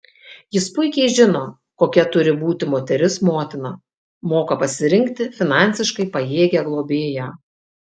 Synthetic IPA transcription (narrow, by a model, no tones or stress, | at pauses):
jɪspʊɪkʲɛɪʒʲɪnoː | koːkʲɛt̪ʊɾʲɪbuːt̪ʲɪmoːt̪ʲɛɾʲɪsmoːt̪ʲɪnɐ | moːkɐpɐsʲɪɾʲɪŋʲkt̪ʲɪfʲɪnɑˑnʲˑsʲɪʃkɐɪpɐjeːɡʲɛɡlˠoːbʲeːjæː